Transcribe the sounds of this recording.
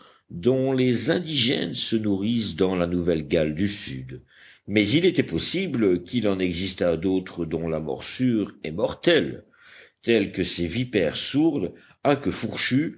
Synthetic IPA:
d̪ɔ̃lezɛ̃d̪iʒɛ̰nsənuʁisd̪ɑ̃lanuvɛlɡald̪ysyd̪ | mɛzilet̪ɛpɔsibləkʲilɑ̃nɛɡzist̪ad̪ot̪χəd̪ɔ̃lamɔ̰ʁsyʁɛmɔʁt̪ɛl | t̪ɛlkəsevipɛʁsuʁd̪ | akəfuʁʃy

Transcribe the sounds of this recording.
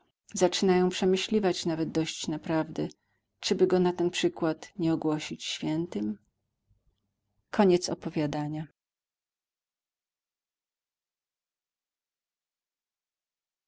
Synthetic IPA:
zat͡ʂɘnajɔ̃w̃pʂɛmɘɕlʲivat͡ɕnavɛd̪̚d̪ɔɕt͡ɕnapɾavd̪ɛ | t͡ʂɘbɘɡɔnat̪ɛnpʂɘkwat̪ɲɛɔɡwɔɕit͡ɕɕfʲjɛnt̪ɘm | kʰɔɲɛt̪sɔ̰pɔvʲjad̪aɲa

